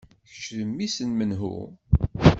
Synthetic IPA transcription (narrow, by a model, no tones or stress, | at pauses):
çə̥ʃləmːisənmənɦṵ